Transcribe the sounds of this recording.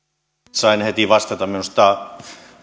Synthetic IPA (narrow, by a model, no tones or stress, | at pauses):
sɑinhet̪iʋɑst̪ɑt̪ɑminost̪ɑˑ